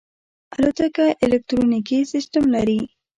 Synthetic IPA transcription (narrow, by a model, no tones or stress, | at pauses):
alot̪akaʔɪlek̚t̪ɾonikisɪsʈamlaɾi